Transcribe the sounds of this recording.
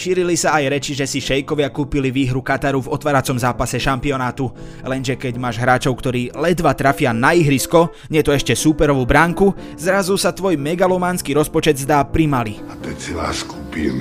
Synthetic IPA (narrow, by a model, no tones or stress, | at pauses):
ʃiːɾilisaajɾɛt͡ʃiʒɛsiʃɛjkɔʋɪakuːpiliʋiːɦɾukat̪aɾuvɔt̪ʋaːɾat͡sɔmzaːpasɛʃampiɔnaːt̪u | lɛnʒɛkɛɟmaːʒɦɾaːt͡ʃɔʊkt̪ɔɾiːlɛd̪ʋat̪ɾafɪanaiɦɾiskɔ | ɲɪɛt̪ɔɛʃcɛsuːpɛɾɔʋuːbɾaːŋku | zɾazusat̪ʋɔjmɛɡalɔmaːnskiːɾɔspɔt͡ʃɛd̪zd̪aːpɾimaliat̪ɔɛt͡sɛla̰ːskupḭn